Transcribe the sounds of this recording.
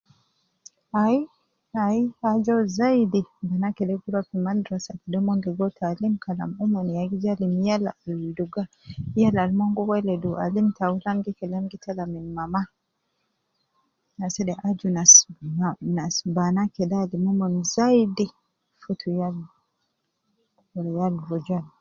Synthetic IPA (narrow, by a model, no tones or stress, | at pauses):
ai | aiad͡ʒɔzaidibanakɛdɛɡuɾapimaldɾɔsakɛdɔmɔnduɡɔtʰalimkala̰mumɔniaɡizalimjalaalduɡa | jalalmɔŋɡɔwɛlɛdua̰limtaulaŋɡikɛlɛmɡitʰalaminmama | nasɛdɛʔad͡ʒunas | nasbanakɛdalimɔmɔnzaidi | futʰujal | ɔlɛjalbɔd͡ʒal